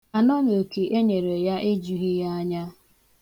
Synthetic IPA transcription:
a˨nɔ˦no˨ke˨ʔe˦ɲe˨ɾe˨ja˦ʔe˦d͡ʒu˨˦ɦi˦ja˦a˦ɲa˦

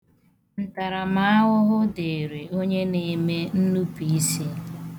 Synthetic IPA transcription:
n̩˨ta˨ɾa˨ma˦a˦ɦʊ˦ɦʊ˦de˨e˨ɾe˨ʔo˦ɲe˦ne˨me˦n̩˦nu˦pi˨i˦si˦

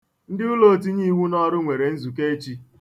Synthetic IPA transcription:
n̩˦dɪ˦ʊ˦lo˦˨t̬i˦ɲi˦wu˦nɔ˦ɾʊ˦ŋʷe˨ɾe˨n̩˦zu˨k̬e˦t͡ʃi˦

